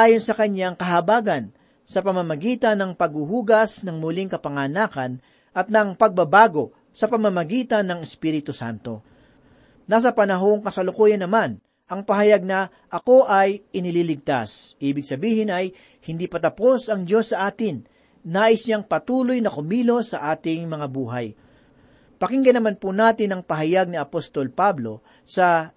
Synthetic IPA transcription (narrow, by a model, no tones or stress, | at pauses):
ʔaːjo̞nsɐkɐɲjaŋkɐɦɐbaːɡɐn | sɐpɐmamɐɡiːt̪ɐnːɐŋpɐɡhuhuːɡɐsnɐŋmʊliŋkɐpɐŋaːnaːkɐn | ʔɐt̪̚nɐŋpɐɡ̚bɐbaːɡo̞ | sɐpɐmamɐɡiːt̪ɐnːɐŋɛspiːɾɪt̪ʊsa̰nt̪o̞ | nas̬ɐpɐnɐɦo̞ŋkɐsɐlʊkoːjɐnːɐman | ʔɐŋpɐɦɐjaɡ̚nɐ | ʔɐko̞ʔɐjʔɪnɪliːlɪɡ̚t̪asʔiːbɪɡsɐbiːhɪnɐj | hɪnd̪ipɐt̪ɐpo̞sɐŋd͡ʒo̞sːɐʔaːt̪ɪnː | aːʔɪsɲaŋpɐt̪uːlojnɐkʊmiːlo̞sɐʔaːt̪ɪŋmɐŋabuːɦaj | pɐkɪŋɡɐnɐmanpunaːt̪ɪnɐŋpɐɦɐjaɡ̚niɐpost̪o̞lpablo̞ | sɐ